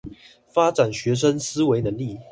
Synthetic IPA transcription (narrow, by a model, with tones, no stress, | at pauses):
fa˥ʈ͡ʂa˨˩nɕɥɛ˧˥ʂ̬ə˦nsɹ̩˥we˧˥ɪnə˧˦ŋli˥˨